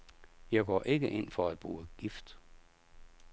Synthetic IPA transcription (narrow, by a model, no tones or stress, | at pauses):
jɑ̈ɪɡ̥ɒ̰ːʔe̝ɡ̥əʔe̝n̰fɒ̽æd̥̚b̥ʁuːəɡ̥ifd̥